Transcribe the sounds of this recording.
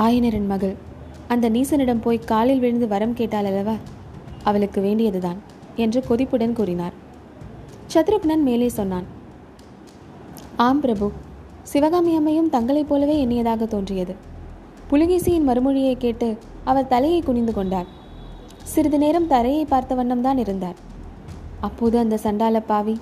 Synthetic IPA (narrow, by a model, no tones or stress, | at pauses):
aːjɐnɐɾɪnmɐɣɯɭ | ɐnd̪ɐniːsɐnɪɽɐmpoːjkaːlɪlʋɪɻɯnd̪ɯʋɐɾɐmkeːʈːaːlɐlːɐʋaː | ɐʋɐɭɯkːɯʋeːɳɖɪjɐðɯðaːn | ɛndrɯkɔðɪpːɯɽɐnkuːɾɪnaːɾ | t͡ʃɐt̪ɾɯknɐnmeːleːsɔnːaːn | aːmpɾɐbɯ | sɪʋɐɣaːmɪjaːmɐjɯmt̪ɐŋɡɐɭɐɪpːoːlɐʋeːɛnːɐjɐðaːɣɐt̪oːndrɪjɐðɯ | pʊlɪɣiːsɪjɪnmɐɾɯmɯɻɪjɐɪkːeːʈːɯ | ɐʋɐɾt̪ɐlɐjɐɪkʊɳɪnd̪ɯkɔɳɖaːɾ | sɪɾɯðɯneːɾɐmt̪ɐlɐjɐɪpːaːɾt̪ɐʋɐɳːɐmt̪aːnɪɾɯnd̪aːɾ | ɐpːoːðɯɐnd̪ɐsɐɳɖaːlɐpːaːʋi